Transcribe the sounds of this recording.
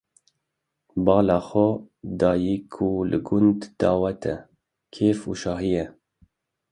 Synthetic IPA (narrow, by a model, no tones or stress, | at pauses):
bɑːlɑːxɔ | d̪ɑːjikʰulɨ̰ɡʊnd̪d̪̥ɑːwɛt̪ʰɛ | kʰeːfuːʃɑːɦijɛ